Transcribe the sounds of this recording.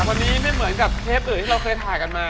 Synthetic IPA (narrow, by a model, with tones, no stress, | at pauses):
k̚wa˧nːiː˦˥ma˥˩jmɯ˩˦ə˦nka˨˩p̚t̪ʰeː˦˥˩ʔɯː˨˩t̪ʰiː˥ɾa˧wkʰɤː˧jt̪ʰaː˨˩jka˧nmaː˧